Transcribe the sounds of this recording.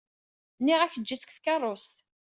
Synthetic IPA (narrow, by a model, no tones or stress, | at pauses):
nːiʁæçəd͡ʒːit͡sːə̥kθkɑrˤːost̪